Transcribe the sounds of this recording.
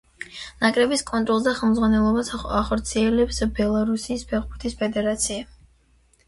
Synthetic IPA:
nakʼɾɛbiskʼɔnt̪ʼɾɔlˠs̬d̪aχɛlˠmd̪zʁwanɛlˠɔbasaχɔɾt̪sʰiɛlɛpsbɛlˠaɾusiːspʰɛχbuɾt̪ʰispʰɛd̪ɛɾat̪sʰia

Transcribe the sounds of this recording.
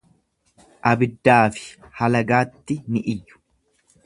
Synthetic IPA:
ʔɐbɪd̪ːaːfɪ̥hɐlɐɡaːt̪ːɪnɪʔɪjːʊ̥

